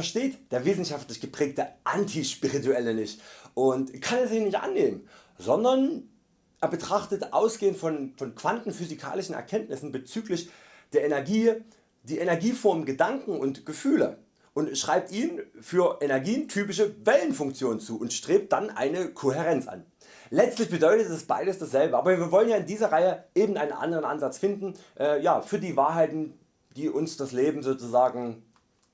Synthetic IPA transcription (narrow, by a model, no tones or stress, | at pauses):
fɛɐʃteːtd̥eːɐvɪsn̩ʃaftlɪçɡ̥əpʁ̥ɛːk̚təʔantʰiʃpiʁituɛlənɪçtʔʊntkʰanɛsiːnɪçtʔa̰nːeːmən | zɔndɐn | ʔeːɐbətʁ̥aχtətʔaʊsɡ̥eːəntfɔnfɔnkv̥antn̩fyzikʰa̰ːlɪʃn̩ɛ̰ɐkʰɛntnɪsn̩bət͡syːklɪç | d̥eːɐʔenɛɐɡiː | d̥iːʔenɛɐɡiːfɔɐmɡədaŋkŋ̩ʊntɡ̥əfyːlə | ʔʊntʃʁ̥aɪp̚tʔiːnfyːɐʔɛnɛɐɡiːəntʰyːpɪʃ̬əvɛlənfʊŋk̚t͡sjoːnənt͡suːʊntʃtʁ̥eːp̚t̚d̥anʔa̰ɪnəkʰoɦɛʁ̞ɛnt͡sʔa̰n | lɛt͡stlɪçb̥ədɔʏtətɛsb̥a̰ɪdəsd̥asz̥ɛlbəaːbɐvːviːɐvɔlənjaːɪndiːzɐʁaɪəʔeːbm̩tʔa̰ɪnənʔa̰ndəʁənʔanzat͡sfɪndn̩ʔɛːjaːfyːɐdiːvaːɐɦaɪtn̩ | d̥iːʔʊnsd̥asleːbm̩zoːt͡suzaːɡŋ̩